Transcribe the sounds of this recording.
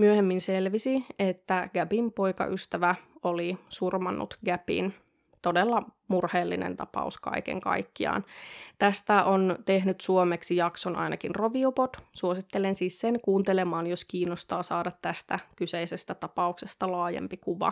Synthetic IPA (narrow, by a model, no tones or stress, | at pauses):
myøhemːinselʋisiet̪ːæɡ̥æpimpo̞jkɑ̰ʔyst̪æʋæolisurmɑnːṵt̪ɡ̥æpḭn | t̪o̞delːɑmurheːlːinḛnt̪ɑpɑ̰uskɑ̰ikḛŋkɑ̰jkːiɑ̰ːnt̪æst̪æʔont̪ehnyt̪suomeksijɑksonʔɑ̰jnʔɑ̰kinroʋiopot̪suosit̪ːelensiːsːenkuːnt̪elemɑːnjoskiːnːost̪ɑːsɑːdɑt̪tæst̪ækyseisest̪æt̪ɑpɑuksest̪ɑlɑːjḛmpikuʋɑ̰